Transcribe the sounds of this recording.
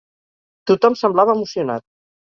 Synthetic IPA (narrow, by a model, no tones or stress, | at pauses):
t̪ut̪ɔmsəmblaβəːmusiuna̰t̪̚